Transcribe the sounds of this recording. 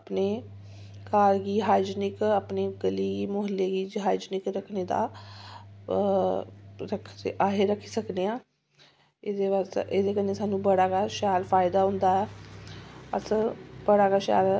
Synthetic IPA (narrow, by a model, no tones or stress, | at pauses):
əpneː | kaːɾɡiːɦaːd͡ʒnɪkaːpneːɡəliːɡiːmʊɦəlːeːɡiːd͡ʒɦaːd͡ʒnɪkɾəkʰneːd̪a̰ː | ɾəkʰaːɦeːɾəkʰːi̥ːsəkd̪eːãː | ed̪eːʋaːseːd̪eːkənːeːsaːnũːbəɽaːɡaːʃaːlfʰaːɪd̪aːɦʊ̃nd̪aːɛː | ə̰sbəɽaːɡaːʃa̰ːl